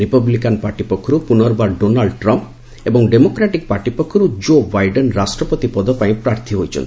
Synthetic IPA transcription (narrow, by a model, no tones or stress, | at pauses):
ɾipablikanpaɾʈipɔkʰːɔɾupunɔɾbaɖonaɭɖʈɾɔmp | ebɔŋɖemokɾaʈik̚paɾʈipɔkʰːɔɾud͡ʒobajɖenɾasʈɾɔpɔt̪ipɔd̪ʱɔpaĩpɾaɾt̪ʰiɦojt͡ʃʰɔ̰nt̪ʰi